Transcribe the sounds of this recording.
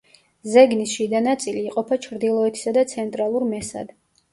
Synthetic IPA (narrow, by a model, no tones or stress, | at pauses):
zɛɡnisʃid̪anat̪sʼiliːqʼɔpʰat͡ʃʰɾd̪ilˠɔɛt̪ʰi̥sad̪at̪sʰɛnt̪ʼɾalˠuɾmɛsa̰d̪